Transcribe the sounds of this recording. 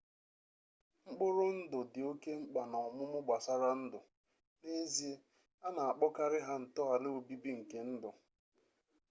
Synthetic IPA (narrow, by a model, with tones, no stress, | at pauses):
ŋ͡m̩˦k͡pʊ˦ɾʊ˦n̩˦dʊ˨dɪ˨o˦ke˦ŋ͡m̩˦k͡pa˨na˨ʊ˨mʊ˦mʊ˦ɡ͡ba˨sa˦ɾa˦n̩˦dʊ˨ | ne˦zi˦e˦ | a˦na˨a˨k͡pɔ˦ka˦ɾɪ˦ɦa˦n̩˨tɔ˦a˨lɪ˦o˨bi˦bi˦ŋ̩˨ke˨n̩˦dʊ˨